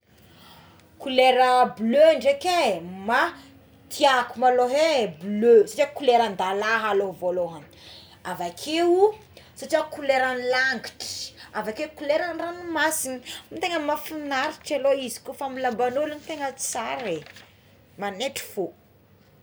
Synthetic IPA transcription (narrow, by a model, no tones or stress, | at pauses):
kuleɾəbløaɳɖ͡ʐekema | t̪ʰiakumaloɦebløsaʈ͡ʂiakuleɾand̪alaɦaloɦvoloɦani | avakʰeu | sat͡ʃiakuleɾanilaŋɡiʈ͡ʂi̥avakekuleɾanranimasinimit̪eŋəmafinaɾiʈ͡ʂaloizi̥kufamilambanulunit̪eŋə̥saɾe | maneʈ͡ʂi̥fo